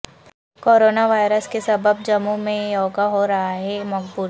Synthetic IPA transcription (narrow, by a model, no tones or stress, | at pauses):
koːɾoːnaʋaːɪɾəskesɐbəb̚d͡ʒɐmumẽjɔːɡaɦoɾɐɦaɦɛmɐɡbuːɾ